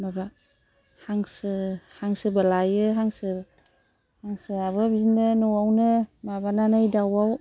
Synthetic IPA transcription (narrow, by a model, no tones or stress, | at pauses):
maba | haŋsɯhaŋsɯbalajɯɦaŋsɯ | haŋsɯaβɯbzinɯnɔwawnɯmabananɯjdawaw